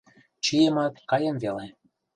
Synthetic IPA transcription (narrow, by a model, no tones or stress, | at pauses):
t͡ɕijemɑt̪kɑjə̆mvele